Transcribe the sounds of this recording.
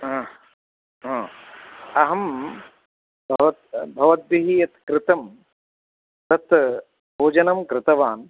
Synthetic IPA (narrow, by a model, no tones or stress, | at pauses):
ɦɐ̃ | ɦãː | ɐɦɐm | bʱɐʋɐt̪bʱɐʋɐt̪̚ʋiɦijɐt̪kɾɪt̪ɐm | t̪ɐt̪ | bʱoːd͡ʒɐnɐmkɾɪt̪ɐʋaːn